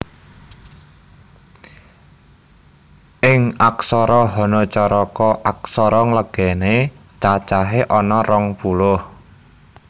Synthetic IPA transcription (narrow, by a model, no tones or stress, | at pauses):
ʔɪŋaksɔɾɔɦɔnɔt͡ʃɔɾɔkɔʔaksɔɾɔŋləɡ̥ɛne | t͡ʃat͡ʃaɦeʔɔnɔrɔŋpulʊh